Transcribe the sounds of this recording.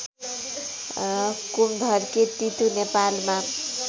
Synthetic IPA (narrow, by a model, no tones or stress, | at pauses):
kumd̪ʱʌɾket̪it̪unepalma